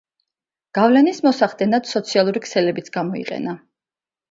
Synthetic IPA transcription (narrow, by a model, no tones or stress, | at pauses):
ɡ̥avlɛnismɔsaχd̪ɛnad̪̥sɔt̪sʰialˠuɾikʰsɛlɛbit̪sʰɡamɔḭqʼɛ̰na